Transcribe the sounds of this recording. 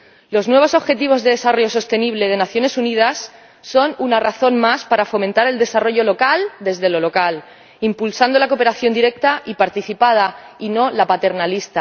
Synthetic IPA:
lo̞znwe̞β̞o̞so̞βxe̞t̪iβ̞o̞zðe̞ð̞e̞saro̞ʝo̞s̬o̞st̪e̞niβ̞le̞ð̞e̞naθjo̞ne̞sunið̞asː | o̞nunaraθo̞nmaspaɾafo̞mẽnt̪aɾe̞ld̪e̞saro̞ʝo̞lo̞kald̪e̞zðe̞lo̞lo̞kal | impulsand̪o̞lako̞pe̞ɾaθjo̞nd̪iɾe̞k̚t̪aʔipaɾt̪iθipað̞aino̞lapat̪e̞ɾnalist̪a

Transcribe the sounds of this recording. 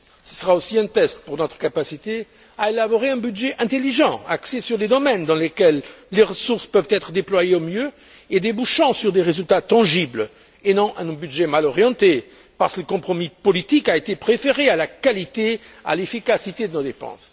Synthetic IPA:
sə̥səʁaosiɛ̃t̪ɛst̪̚puʁnɔt̪χə̥kapasit̪e | aelabɔʁeɛ̃byd̪ʒɛʔɛ̃t̪eliʒɑ̃a̰ksesyʁled̪ɔmɛnd̪ɑ̃lekɛlːeʁəsuʁspœvt̪ɛt̪χəd̪eplwajeomjø | ed̪ebuʃɑ̃syʁd̪eʁezylt̪at̪ɑ̃ʒibl | enɔ̃ʔɛ̃byd̪ʒɛmalɔʁjɑ̃t̪e | paʁskləkɔ̃pχɔmipɔlit̪ikaet̪epχefeʁealakalit̪ea̰lefikasit̪ed̪ənod̪epɑ̰̃s

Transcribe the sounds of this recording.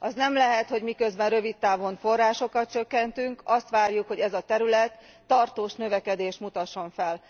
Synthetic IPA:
ɒznɛmlɛɦɛt̪ho̞ɟmikø̞zbɛnrø̞vit̪ːaːvo̞nfo̞raːʃo̞kɒt̪̚t͡ʃø̞kːɛnt̪yŋkɒst̪ʋaːrjukho̞ɟɛzɒt̪ɛɾylɛt̪ː | ɒrt̪oːʃnø̞vɛkɛd̪eːʃt̪mut̪ɒʃːo̞ɱfɛl

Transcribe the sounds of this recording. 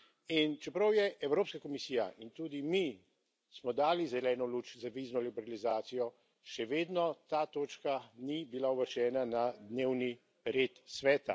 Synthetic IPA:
int͡ʃɛpɾɐwjɛʔɛwɾoːpskakɔmisiːja̰ʔint̪uːd̪imi | smɔd̪aːlizɛlɛːnɔluːt͡ʃzaʋiːznɔlibɛɾalizaːt̪sijɔ | ʃɛʋeːd̪nɔt̪aːt̪oːt͡ʃkanibilauʋəɾt͡ʃɛːnanad̪neːwni | ɾeːt̪sʋɛːt̪a̰

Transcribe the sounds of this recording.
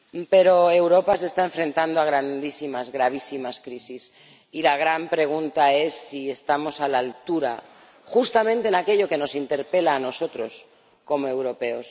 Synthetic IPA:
pe̞ɾo̞e̞wɾo̞pase̞st̪ae̞ɱfɾe̞nt̪and̪oaɣ̞ɾand̪isimazɣɾaβ̞isimaskɾisis | ilaɣ̞ɾampɾe̞ɣ̞unt̪ae̞sːie̞st̪amo̞salaːlt̪uɾa̰ | xust̪amẽnt̪enake̞ʎo̞ke̞no̞sint̪e̞ɾpe̞laːno̞so̞t̪ɾo̞s | ko̞moe̞wɾo̞pe̞o̞s

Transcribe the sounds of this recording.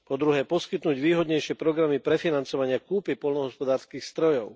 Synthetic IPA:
pɔd̪ɾuɦɛːpɔskit̪nuːɟʋiːɦɔd̪ɲɛjʃɪɛpɾɔɡɾamipɾɛfinant͡sɔʋaɲɪakuːpipɔlnɔɦɔspɔd̪aːɾskiːxst̪ɾɔjɔʊ

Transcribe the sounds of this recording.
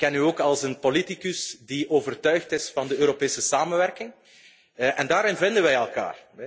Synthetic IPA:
kːɛnyoːkɑlˠsənpolitikʉsdiʔoːvərtœɥxtɪsfɑndəøːɾopeːsəsaːmənʋɛrkɪŋ | ʔɛndaːɾɪnvɪndənʋɛjɛlˠka̰ːr

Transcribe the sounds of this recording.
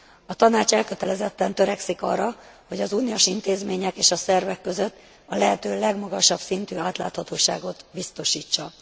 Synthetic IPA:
ɒt̪ɒnaːt͡ʃɛlkøt̪ɛlɛzɛt̪ːɛnt̪øɾɛksikɒ̰rːɒho̞ɟɒzuːnioʃint̪eːzmeːɲɛkeːʃɒsɛrvɛkːø̞zø̞t̪ː | ɒlɛɦɛt̪øːlɛɡmɒɡɒʃɒb̥sint̪yːaːt̪la̰ːt̪hɒt̪oːʃa̰ːɡo̞t̪bist̪o̞ʃiːt͡ʃːɒ

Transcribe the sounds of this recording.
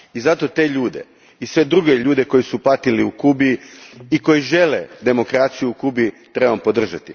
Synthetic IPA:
izat̪o̞t̪e̞ʎuːd̪e̞̰ | isʋe̞d̪ɾuɡe̞ʎuːd̪e̞ko̞jisupat̪iliukubiiko̞jiʒe̞lḛd̪e̞mo̞kɾat̪sijuukubi | t̪ɾe̞bampo̞d̪r̩ʒat̪ḭ

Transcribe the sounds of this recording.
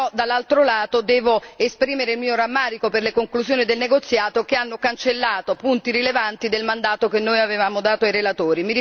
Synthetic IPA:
ɔd̪alːalt̪ɾolaːt̪od̪ɛːvoespɾiːmeɾeilmiːoɾamːaːɾikoperlekoŋkluzjoːnid̪elneɡot̪sːjaːt̪ok̟eanːokant͡ʃelːaːt̪opunt̪iɾilevant̪id̪elmand̪aːt̪okenːoːjavevaːmod̪aːt̪oajɾelat̪oːɾimiɾi

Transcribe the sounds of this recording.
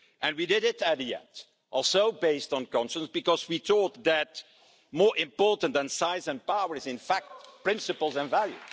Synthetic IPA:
ʔɨ̃nwidɪɾɪtɨiɛ̰̃nt | ʔɔlˠsoʊbeɪstn̩kɑ̃nʃə̃nsbɨkɔzwitʰɔt̚ðæt̚ | mɔːɹʔɪ̃mpɔɹtə̃n̩tðə̃nsaɪzɨ̃npawə˞ɨzɪ̃nfæk̚t̚pɹɪ̃nsɨpəl̩ˠzə̃nvælˠjṵ

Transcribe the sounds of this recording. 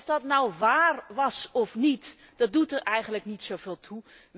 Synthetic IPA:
fdɑtnɔwʋaːrʋɑsɔfnit | d̥ɑt̚dutərʔɛjχənləknitsowveːlˠtʰu | ʋ

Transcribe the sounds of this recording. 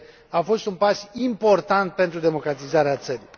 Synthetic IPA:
afo̞st̪unpasimpo̞rt̪ant̪̚pe̞nt̪ɾud̪e̞mo̞kɾat̪izaɾeat̪səɾi

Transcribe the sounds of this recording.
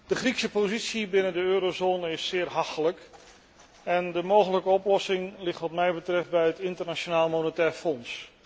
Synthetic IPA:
d̥əχriksəpozitsibɪnəndəøːɾozoːnəɪsːɪːrɦɑxtələk | ɛndəmowɣələkəɔplɔsɪŋlɪχtʋɑt̚mɛjbətrɛft̚bɛjətɪntərnat͡ʃonaːlˠmonətɛːɹfɔns

